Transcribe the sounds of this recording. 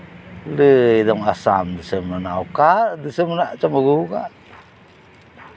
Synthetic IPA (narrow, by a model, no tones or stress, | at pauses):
ləidɔŋasa̰mdəsəmənaukaʔdəsəmənaʔt͡ʃaməɡuka̰ʔ